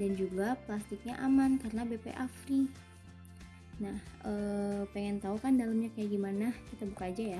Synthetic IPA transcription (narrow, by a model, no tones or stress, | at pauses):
dand͡ʒuɡaplast̪ɪk̚ɲaʔamankaɾənabepḛʔafɾi | nahʔəːpeŋɛnt̪aukandalamɲakajaɡimanakit̪abukaːd͡ʒaja